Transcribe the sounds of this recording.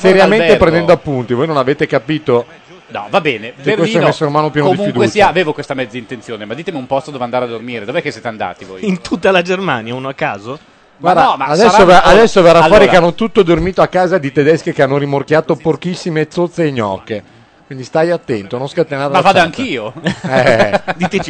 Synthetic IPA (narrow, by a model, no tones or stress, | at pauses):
seɾjammenepɾend̪ɛnd̪oapːunt̪ivoːjnonaveːt̪ekapiːt̪o | nɔ̰vabɛːnekekest̪oɛmɛsːeɾeumaːnop̬jɛːnoodiufid̪kwesiaːveːvokwest̪amɛd̪zːaint̪ent̪joːnemad̪iːt̪emiumpɔst̪od̪ɔveand̪aːɾead̪ːormiːɾed̪ovoɛkesjeːt̪eand̪a̰ːt̪ivo̰ːjint̪ʰut̪ːalad͡ʒermaːnjaunoakːaːzo | ɡwaɾd̪amaad̪ɛssːovaad̪ɛsːoveraflːfɔːɾiɾeanːot̪ut̪ːod̪ormiːt̪oakːaːzad̪it̪ed̪ɛskekeanːoɾimorkjaːt̪oporkisːimet̪sːot̪sːeiɲɔ̰ːkːe | kwind̪ist̪ajat̪ːɛnt̪onõnskat̪ːenaɾmaavaːd̪oaŋkiːoɛd̪it̪et͡ʃi